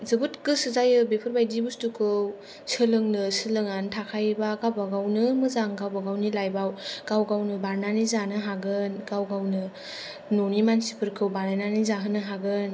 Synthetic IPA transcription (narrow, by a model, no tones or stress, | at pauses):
zɯbutkɯsɯzajɯbepʰɯɾbajdibustukʰɯw | sɯlɯŋnɯsɯlɯŋantʰakʰajbaɡabaɡawnɯmɯzaŋɡawbaɡawnilajbawɡ̥awɡawnɯbaɾnanizanɯɦaɡɯnɡawɡawnɯ | nonimansi̥pʰɯɾkʰɯwbaɾnananizaɦɯnɯɦaɡɯn